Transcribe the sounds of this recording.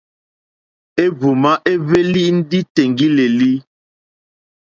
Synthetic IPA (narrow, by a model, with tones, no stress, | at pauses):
e˦bu˨ma˦ʔe˦ve˦li˦ʔn̩˦di˦te˨ŋɡi˦le˨li˦